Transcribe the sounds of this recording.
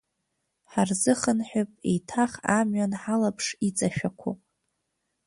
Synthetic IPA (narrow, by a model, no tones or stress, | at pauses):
ħarzɨχənħᶣʊpʼḛjtʰaχamɥanħalapʰʂit͡sʼaʃᶣakʷʰo̰